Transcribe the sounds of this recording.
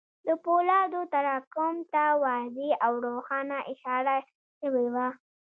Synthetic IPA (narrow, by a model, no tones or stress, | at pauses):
d̪əpolɑd̪ot̪aɾɑkʊmt̪awɑzeawɾoxɑnaʔɪʃɑɾa | ʃəwewa